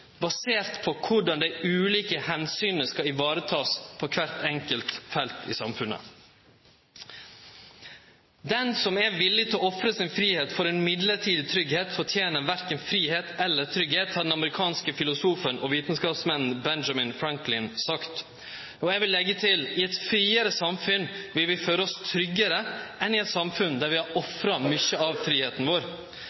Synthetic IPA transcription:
bɑseːɾt̪pʰɔkʰʊɖɑnd̪æɪʉːliːkəhɛnsyːnəskɑɪʋɑːɾət̪ʰɑːspʰɔkʰʋæɾt̪ɛŋkəlt̪fɛlt̪ʰɪ̰sɑmfʉnə̰ | d̪ɛnsɔmæɾʋɪlːɪt̪ʰɪɔɔfɾəsɪnfɾiːheːt̪fɔɾeːnmɪd̪ləʈʰiːd̪ɪt̪ʰɾʏɡheːt̪fɔʈʰjeːnəʋæɾkənfɾiːheːt̪ɛlːət̪ʰɾʏɡheːt̪hɑɾɖɛn̩ɑməɾɪkʰɑːnskəfɪlʊsuːfənʔɔʋiːt̪n̩skɑːpsmɛnn̩bɛnd͡ʒɑmɪnfɾæŋklɪnsɑkt̪ | oːɛɡʋɪlːɛɡːət̪ʰɪlɪɛt̪fɾiːəɾəsɑmfʉnʋɪlʋɪføːɾəɔst̪ʰɾʏɡəɾəʔɛnɪɛt̪sɑmfʉnd̪æːɾʋɪɑʔɔfɾɑmʏçəɑʋfɾiːheːt̪n̩ʋoːɾ

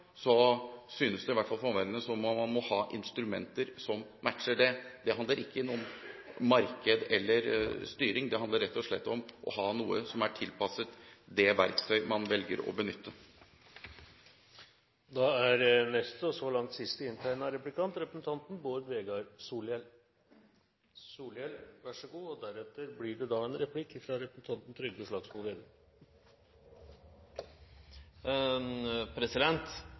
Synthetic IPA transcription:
sɔsyːnəsd̪ɛɪʋæʈːfɑlfɔmʋɛɾənəsɔmɑmɑnmɔhɑːʔɪnst̪ɾʉmɛnt̪əɾsɔmmæʈʂəɖɛd̪ɛɦɑnd̪ləɾɪkʰːənuːənmɑɾkəd̪ɛlːəɾst̪yːɾɪŋd̪ɛɦɑnd̪əɾːɛt̪ːɔʂɭɛ̰t̪ːɔmʔɔ̰hɑːnuːəsɔmæʈʰɪlpɑsət̪d̪ɛʋæɾkt̪ʰœʏmɑnʋɛlɡə̰ɾɔ̰bənʏt̪ʰːə | d̪ɑːæɾnɛst̪ɔsɔlɑŋt̪sɪst̪əɪnt̪ʰæɪnəɑɾɛplɪkʰɑnt̪ɾɛpɾəsn̩t̪ʰɑnt̪n̩boːɾʋeːɡɑɾsuːlɪɛl | suːlɪɛlʋæʂəɡuːɔd̪æɾɛt̪əɾblɪɖɛd̪ɑːɛnɾɛpʰlɪkːfɾɑɾɛpɾəsn̩t̪ʰɑnt̪n̩t̪ʰɾʏɡ̪əʂlɑːɡsʊlʋeːd̪ə | pʰɾɛsɪd̪ɛnt̪

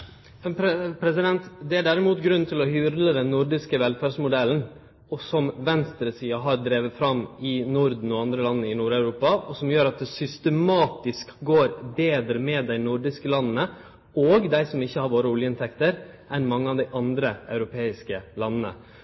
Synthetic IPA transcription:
pɾpʰɾɛsɪd̪ɛnt̪d̪ɛæɖæːɾɪmuːt̪ɡɾʉnt̪ʰɪlɔhyːɾləd̪ɛnːʊɾɖɪskəʋɛlfæɾsmʊd̪ɛln̩ | ɔsɔmʋɛnst̪ɾəsiːɑɦɑɾd̪ɾeːʋəfɾɑmɪnʊɾd̪n̩ɔɑnd̪ɾəlɑnːənəɪnuːɾɑʉɾuːpɑɔsɔmjøːɾɑt̪̚d̪ɛsʏst̪əmɑːt̪ɪskɡoːɾbeːd̪ɾəmɛːd̪æɪnʊɾɖɪskəlɑnːnə | oːɡd̪æɪsɔmɪçːəhɑɾʋoːɾəʊljəɪnt̪ʰɛkt̪əɾ | ʔɛnmɑŋːəɑʋd̪æɪʔɑnd̪ɾəɑʉɾʊpʰeːɪskəlɑnːənə̰

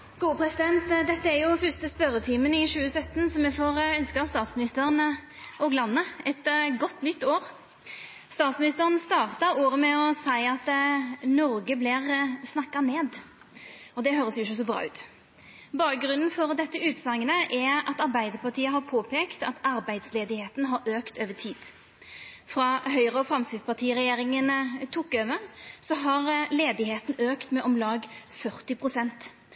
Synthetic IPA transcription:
ɡ̥uːəpʰɾɛsɪd̪ɛnt̪d̪ɛt̪ːəæɾjʊfœʁst̪əspœɾət̪ʰiːmənɪɕʉːəsœt̪ːnsɔmjɛfoːɾœnskəst̪ɑːt̪smɪnɪst̪əʁən | oɡlɑnːəɛt̪ɡɔt̪ːnʏt̪ːoːɾ | st̪ɑːt̪smɪnɪst̪əʁənst̪ɑːʁt̪ɑɾoːɾəmɛɔsæɪɑt̪nɔɾɡəblɪʁsnɑkːɑneːd̪ | ɔd̪ɛhøːɾəsjʊɪçːəs̬ɔbɾɑ̰ːʉ̰ːt̪ | bɑːk̚ɡɾʉnn̩fɔɾd̪ɛt̪ːəʉːt̪sɑŋːənəʔɛɑt̪ɑɾbæɪd̪əpɑʁt̪ʰiːəɦɑɾpʰoːpʰeːkt̪ɑt̪ɑɾbæɪd̪sleːd̪ɪheːt̪nɦɑɾøːkt̪øːʋət̪ʰiːd̪̥ | fɾɑɦœʏɾəɔfɾɑmsɪspɑt̪ʰiːɾɛjeːɾɪŋənt̪ʰukːøːʋəsɔɦɑʁleːd̪ɪheːt̪n̩øːkt̪mɛʔɔmlɑːɡfœɾt̪ɪpʰʁʊsɛnt̪

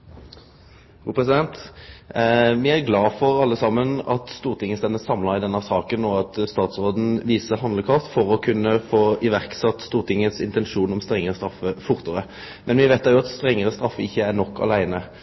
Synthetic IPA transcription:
fʁuːpʰʁɛs̬ɪd̪ɛnt̪ | ʋɪæɾɡlɑːfɔʁɑlːəsɑmːənɑt̪st̪uːʁt̪ʰɪŋːəst̪ɛnəsɑmlɑʁɪd̪ɛnːəsɑːkənɔɑt̪st̪ɑːt̪sʁoːd̪n̩ʋiːsəɦɑnd̪ləkʰɑft̪fɔʁɔkʰʉnːəfoːɪʋæʁksɑt̪ːst̪uːʁt̪ʰɪŋːənsɪ̰nt̪ɛnʂuːnɔmst̪ɾɛŋːəɾəst̪ɾɑfːəfʊʁt̪əʁə | mɛnʋɪʋeːt̪d̪æɾjʊɑt̪st̪ʁɛŋːəɾəst̪ɾɑfːəɪçːəæɾɳɔkːɑ̰læɪnə

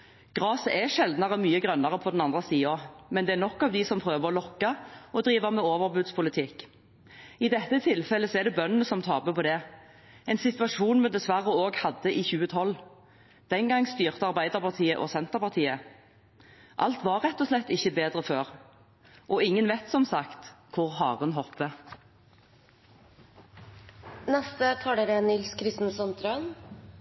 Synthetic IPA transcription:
ɡ̥ʁɑːsəʔɛʂɛld̪nɑʁəmyːəɡʁœnːɑʁəpʰɔd̪ɛnɑnd̪ʁəsiːɔmɛnd̪ɛænɔkːɑːʋd̪ɪsɔmpʰʁøːʋəʁɔlɔkːɑɔd̪ʁiːʋəmɛoːʋəʁbʉd̪spʰʊlɪt̪ʰɪkː | ɪd̪ɛt̪ːət̪ʰɪlfɛlːəsɔɛd̪ɛbœnːənəsɔmt̪ʰɑːbəpʰɔd̪ɛ | ɛɪnsɪt̪ʋɑʂuːnmɛnd̪ɛsʋæʁːəoːɡhɑd̪ːəʔɪçʉːət̪ʰɔlː | d̪̥ɛŋɡɑŋːst̪yːʁt̪əɑʁbæɪd̪əʁpʰɑʁt̪ʰiːəʔɔsɛnt̪əʁpɑʁt̪ʰiːə | ʔɑ̰lt̪ʋɑʁːɛt̪ːɔslɛt̪ːɪçəbeːd̪ʁəføːʁ | ʔɔɪŋːənʋɛt̪sɔmsɑkt̪kʰʊʁhɑːʁʉnɦɔpːə | nɛst̪ət̪ʰɑːɖeɾənɪlskʰɾɪst̪n̩əsɔmt̪ʰɾøn

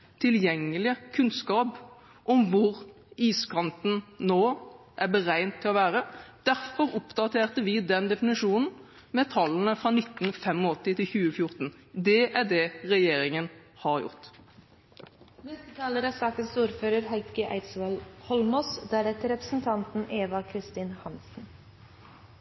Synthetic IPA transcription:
t̪ʰɪljɛŋːəlɪəkʰʉnskɑːp | ʔɔmʋʊɾ | iːskʰɑnt̪n̩noː | ʔæbəɾæɪnt̪ʰːɪlɔʋæːɾəd̪̥æɾfɔɾʊpd̪ɑt̪ʰeːʁt̪əʋɪd̪ɛnd̪ɛfɪnɪʂuːnn̩ | mɛt̪ʰɑlːənəfʁɑnɪt̪ːn̩fɛmɔɔt̪ːɪt̪ʰɪlçʉːəfjʊɾt̪n̩d̪ɛʔæd̪ɛʁɛjeːɾɪŋənhɑʁjʊ̰ʁt̪ | mɛst̪ət̪ʰɑːləɾɑsɑːkənsuːɾføːɾəɾhæɪkəʔæ̰ɪsʋɑlhɔlmɔsd̪æɾɛt̪əɾɛpɾə̥sn̩t̪ʰɑnt̪n̩eːʋɑkʰɾɪst̪iːnhɑnsn̩

